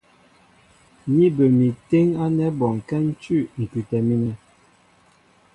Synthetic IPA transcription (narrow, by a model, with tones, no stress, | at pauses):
mi˦bə˨mi˨te˦ŋa˦nɛ˦bɔ˨ŋ˨kɛ˦n̩˦t͡ʃʉ˦˨ŋ̩˨kʉ˨tɛ˨mi˦nɛ˦